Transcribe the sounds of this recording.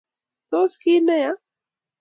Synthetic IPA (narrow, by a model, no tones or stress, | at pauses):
t̪oskiːnaja